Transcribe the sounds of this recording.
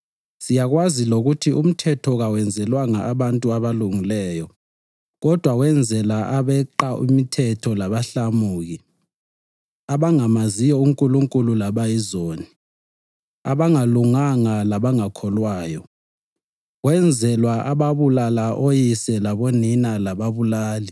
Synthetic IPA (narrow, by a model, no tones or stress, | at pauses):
sijaɣwaziloɣutʰiʔum̩tʰɛtʰɔɣawɛnd͡zʱɛlwaŋaaβantʼuaβaluŋilɛːjɔ | ɣɔd̥ʱwawɛnd͡zʱɛlaʔaβɛǃaʔṵmitʰɛtʰɔlaβaɬamuːɣi | aβaŋamazijɔuŋkʼuluŋkʼululaβajizoːni | a̰βaŋaluŋaŋalaβaŋakʰɔlwaːjɔ | wɛnd͡zʱɛlwaʔaβaβulalaʔojisɛlaβoninalaβaβulaːli